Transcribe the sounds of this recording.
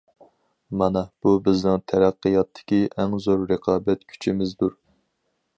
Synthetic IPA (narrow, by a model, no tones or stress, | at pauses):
mɑnɛb̥ubɪznɪŋt̪ʰæɾæqːɨjɑt̪ʰːɪ̥kʲiʔɛŋzoɾɾɨqʰɑːbɛt̪kʲʰy̥t͡ʃʰimɪzd̪uɾ